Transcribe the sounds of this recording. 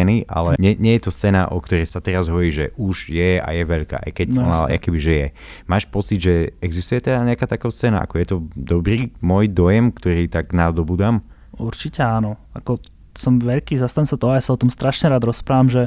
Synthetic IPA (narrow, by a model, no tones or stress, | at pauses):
ɛniʔa̰lɛɲɛɲɛjɛt̪ɔst͡sɛna̰ʔɔkt̪ɔɾɛjsat̪ɛɾazɦɔɔɾiːʒɛʔuʒjɛa̰jɛʋɛʎka̰ːʔa̰jkɛcɔnaa̰a̰kɛbiʒɛjɛ | maːʃpɔt͡sid̪ʒɛɛɡzist̪ujɛt̪ɛd̪aɲɛakaːt̪akɔst͡sɛna̰ʔa̰kɔjɛt̪ɔd̪ɔbɾiːmɔjd̪ɔjɛmkt̪ɔɾiːt̪aɡnad̪ɔbuːd̪am | uɾt͡ʃicɛanɔakɔ | sɔmʋɛʎkiːzast̪aɲsat̪ɔɔajasaɔt̪ɔmst̪ɾaʃɲɛɾaːd̪ɾɔspɾaːʋamʒɛ